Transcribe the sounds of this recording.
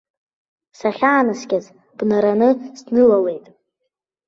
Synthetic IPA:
saχʲaːnɨsɡʲaz | b̥naɾanɨsnɨlale̞jtʼ

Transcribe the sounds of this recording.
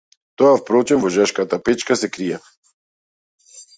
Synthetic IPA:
t̪oafpɾɔt͡ʃɛmvɔʒaʃkat̪apɛt͡ʃkasɛkɾijɛ

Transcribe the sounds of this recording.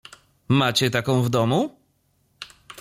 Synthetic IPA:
mat͡ɕɛt̪akɔ̃w̃vd̪ɔmu

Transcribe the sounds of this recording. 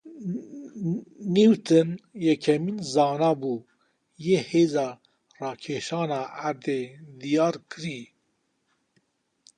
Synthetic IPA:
niːwt̪ʰɨnjɛkʰɛminzɑːnɑːbuː | jeːheːzɑː | rɑːkʰeːʃɑːnɑːæɾd̪eːd̪ijɑːɾkʰɨɾiː

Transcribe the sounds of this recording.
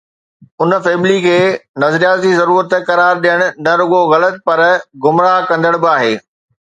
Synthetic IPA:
ʊn̆feːmlikʰeːnɐzɾijaːt̪d͡ʑd͡ʑizɐɾuːɾət̪kɐɾaːɾɗijəɽ̃ʊ̆nɐɾʊɠoɣɐlət̪̚pɐɾɡʊmɾakɐ̃nd̪əɽ̃bɪaːɦeː

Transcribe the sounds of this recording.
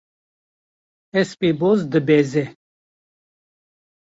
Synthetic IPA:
ɛspebozd̪əbɛzɛ

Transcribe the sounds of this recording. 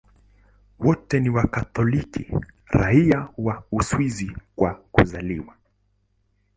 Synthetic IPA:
wɔtɛniwakat̪ɔlikḭ | ɾaiawauswizikwakuzaliwa

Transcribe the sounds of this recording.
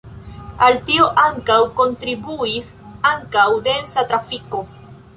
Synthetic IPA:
alt̪ioʔaŋkawko̞nt̪ɾibuisaŋkawd̪ensat̪ɾafiko

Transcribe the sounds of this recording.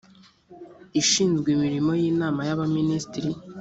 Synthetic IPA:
iʃiːnzɡwimiɾimo̞jiːnaːmajaβaminiːstiɾi

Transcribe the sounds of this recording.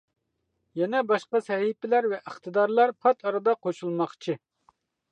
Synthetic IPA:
jɛnɛbɑʃqɑsɛɦipɪlæɾvɛʔɪχt̪ɨd̪ɑɾlˠɑɾpʰɑt̪ʰɑɾɨd̪ɑqʰoʃulˠmɑχt͡ʃʰi

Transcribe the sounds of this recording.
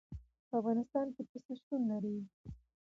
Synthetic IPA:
pəafɣɑnɪst̪ɑnkepəseʃt̪unlaɾi

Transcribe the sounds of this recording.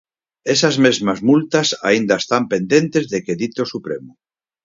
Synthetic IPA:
esazmezmazmult̪asa̰ind̪aest̪ampend̪ẽnt̪ezðekeðit̪osupɾemu

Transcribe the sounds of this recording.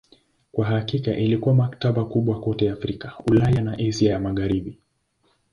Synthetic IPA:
kwaɦakikaʔilikuwamakataɓakuɓwakɔtɛafɾikaulajanaʔiziajamaɣaɾiɓi

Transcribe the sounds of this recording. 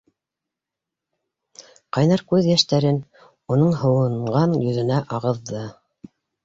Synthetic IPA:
qɑjnɑɾkʉðjæʃt̪æɾɘn | unɤɴhɤ̆wɤ̆ɴɢɑnjɵ̆ðɘ̆næʔɑʁɤ̆ðːɤ

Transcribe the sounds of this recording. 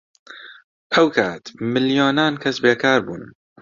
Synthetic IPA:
ʔɛwkʰaːt̪mɨljoːnaːnkʰɐsbeːkʰaːɾbuːn

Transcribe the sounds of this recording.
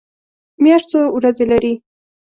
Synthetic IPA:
mjaʃt͡sowɾazelaɾi

